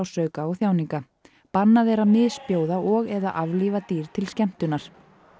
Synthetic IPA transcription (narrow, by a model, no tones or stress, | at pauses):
wsœːɥkaaθjaːwniŋka | panːaðɛɾaðmɪðspjoːwðaʔɔɣɛða̰ʔavlivat̪iːɾ̥t̪ʰɪlscɛm̥t̪ʏnaɾ̥